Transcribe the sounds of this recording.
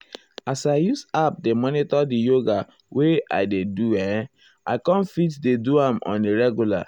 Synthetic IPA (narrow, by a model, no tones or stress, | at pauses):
asaɪjusap̚demɔnitɔdijoɡa | wea̰ɪdeduɛ̃ | a̰ɪkɔ̃nfitdeduãmɔ̰̃neɹɛɡjula̰